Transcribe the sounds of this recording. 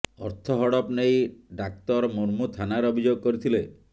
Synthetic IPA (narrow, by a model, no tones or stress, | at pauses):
ɔɾt̪ʰɔɦɔɽɔpnejɖak̚t̪ɔɾmoɾmut̪ʰanaɾɔbʱid͡ʒoɡɔkɔɾit̪ʰile